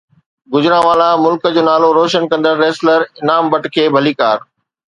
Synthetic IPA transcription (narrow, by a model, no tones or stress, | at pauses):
ɡʊzɾãʋaːlamʊlkəd͡ʑoːnaːloɾoːʃənkɐ̃nd̪əɾːeːsləɾɪnaːmbɐʈkʰeːbʱɐliːkaːɾ